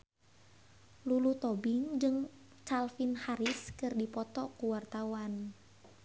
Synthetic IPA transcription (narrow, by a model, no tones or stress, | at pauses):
lulut̪ɔbɪŋd͡ʒɨŋ | t͡ʃalfinhaɾiskɨrdipɔt̪ɔkuwart̪awan